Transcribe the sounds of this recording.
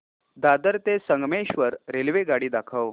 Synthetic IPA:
d̪ad̪əɾt̪esəŋɡmeɕʋəɾɾelʋeɡaɽiːd̪akʰəʋ

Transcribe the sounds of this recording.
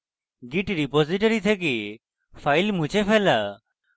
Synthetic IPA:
ɡiʈɾipoziʈɔɾit̪ʰɛk̬i | pʰajlmũt͡ʃʰepʰɛla

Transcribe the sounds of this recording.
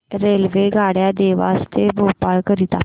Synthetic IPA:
ɾeːlʋeːɡʱaːɽjaːd̪eːʋa̰ːst̪ebʱoːpaːlkəɾit̪aː

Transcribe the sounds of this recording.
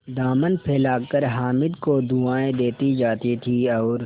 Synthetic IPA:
d̪aːmənpʰeːlaːkəɾɦaːmɪd̪kod̪uaːẽd̪eːt̪id͡ʒaːt̪it̪ʰiɔːɾ

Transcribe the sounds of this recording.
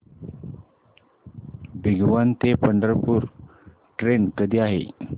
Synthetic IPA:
bʱiɡʋant̪epəɳɖəɾpuːɾ | ʈɾenkəd̪ʱiːaɦḛ

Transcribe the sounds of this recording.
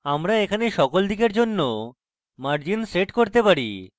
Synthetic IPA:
amɾaekʰaneʃɔkold̪ʱikeɾd͡ʑonːo | maɾd͡ʑinseʈkoɾt̪epaɾḭ

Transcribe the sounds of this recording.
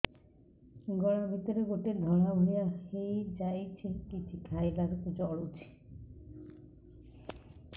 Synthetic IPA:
ɡɔɽ̃ɔbʱit̪ɔɾeɡoʈed̪ʱɔɭ̃abʱuɽijahejd͡ʒajt͡ʃʰekit͡ʃʰikʰajlaɾukud͡ʒɔɭut͡ʃʰi̥

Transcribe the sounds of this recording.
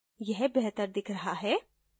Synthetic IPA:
jɛɦbɛɦt̪əɾd̪ɪkʰɾɐɦaɦɛː

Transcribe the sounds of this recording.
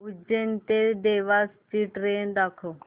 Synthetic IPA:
ud͡ʒent̪ed̪eːʋaːst͡ʃiʈɾeːnd̪akʰo

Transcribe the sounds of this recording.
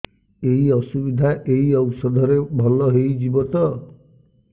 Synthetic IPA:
eɦiɔsubid̪ʱaʔeɦiɔwsɔd̪ʱɔɾebʱɔlɔɦejd͡ʒibɔt̪ɔ

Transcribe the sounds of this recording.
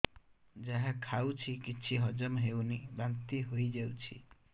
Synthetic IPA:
d͡ʒaɦãkʰawt͡ʃʰikit͡ʃʰiɦɔd͡ʒɔmɦewnibant̪iɦojd͡ʒawt͡ʃʰḭ

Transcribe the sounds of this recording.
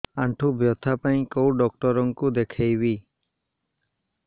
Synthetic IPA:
aɳʈʰubjɔt̪ʰːapaĩkowɖɔkʈɔɾɔŋkud̪ekʰajbi

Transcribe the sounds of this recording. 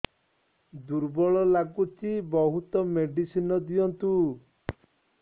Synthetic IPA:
d̪uɾbɔɭɔlaɡut͡ʃʰibɔɦut̪ɔmeɖisinɔd̪ijɔnt̪u

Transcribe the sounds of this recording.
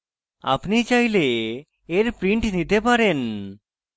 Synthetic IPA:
a̰pnit͡ɕajleː | ɾpɾiɳʈnit̪epaɾen

